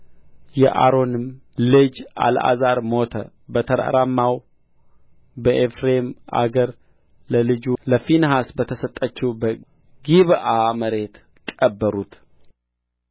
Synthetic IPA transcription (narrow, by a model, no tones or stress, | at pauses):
jɛʔa̰ɾo̞nɨm | lɨd͡ʒa̰la̰zaɾmot̪ʰə̰ | bət̪ʰəɾa̰ɾamːaw | bəʔefɾe̞mʔa̰ɡəɾ | ləlɨd͡ʒuləfinɦasbət̪ʰəsət̪ʼːət͡ʃːubə | ɡiβaməɾe̞t̪ | kʼəbːəɾut̪